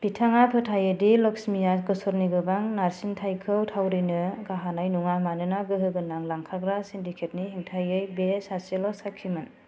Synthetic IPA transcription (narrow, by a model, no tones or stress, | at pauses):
b̥itʰaŋapʰɯtʰajɯdilɔksmijatkɯsɔɾniɡɯbaŋnaɾsintʰajkʰɯwtʰawɾinɯɡaɦanajnuŋamanɯnaɡɯɦɯɡɯnaŋlaŋkʰaɡɾasindikʰet̚nihiŋtʰajɯjbesaselɔsakʰːimɯn